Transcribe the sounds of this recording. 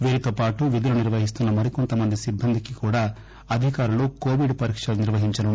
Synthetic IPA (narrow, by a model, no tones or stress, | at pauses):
ʋeːɾit̪oːpaːʈuʋid̪iluniɾʋɐɦis̬t̪unːɐmɐɾiko̞nt̪ɐmɐnd̪isibːɐnd̪ikikuːɽaː | ɐd̪ʱikaːɾuloːko̞ːʋiɖpɐɾiːkʂɐluniɾʋɐɦiɲt͡ʃɐnu